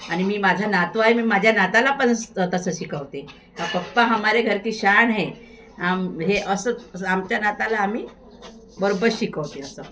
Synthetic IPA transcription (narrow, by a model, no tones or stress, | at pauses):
aɽ̃imiːmad͡ʑʱanat̪ʋaɦemiːmad͡ʑʱjanat̪alapənsət̪əsəɕikəʋt̪e | ɦapək̚paɦamaɾeɡʱəɾkiːɕaɳɦe | amɦeʔəsəamt͡ɕjanat̪alaːm̤iː | bəɾobəɾɕikəʋt̪eəsə